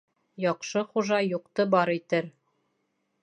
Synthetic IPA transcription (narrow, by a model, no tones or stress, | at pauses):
jɒqʃɤχuʒɑjuqt̪ɤbɒɾit̪ɘɾ